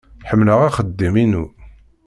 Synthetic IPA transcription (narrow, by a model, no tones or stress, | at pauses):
ħəmːləʁaχəd̪ːiminu